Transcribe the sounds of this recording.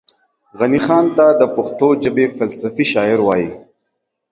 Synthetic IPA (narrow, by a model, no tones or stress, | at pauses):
ɣɐnixɑːnt̪ad̪əpʊxt̪od͡ʒəbefɐlsəfiʃɑːɪɾwɑːjḭ